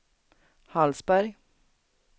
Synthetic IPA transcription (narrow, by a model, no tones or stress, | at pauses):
hɑlsbæɾɡ